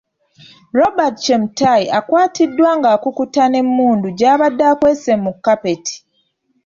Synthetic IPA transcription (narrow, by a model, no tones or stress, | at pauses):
ɾo̞batt͡ʃemutajiakwaːtʰidːwaːŋɡaːkukutane̞mːuːnduɟaːβadːaːkwesemːukːape̞ti̥